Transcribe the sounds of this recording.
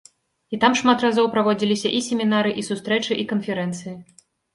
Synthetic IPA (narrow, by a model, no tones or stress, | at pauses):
it̪amʂmat̪razɔwpɾavɔd͡zʲilʲisʲɐʔisʲemʲinaɾɨʔisust̪ɾɛt͡ʂɨʔikɐnfʲɛɾɛnt̪sɨji